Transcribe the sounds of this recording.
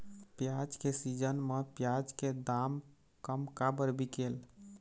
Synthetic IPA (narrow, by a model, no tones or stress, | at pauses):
pjad͡ʒkesid͡ʒənmepjad͡ʒked̪am | kəmkabəɾbikel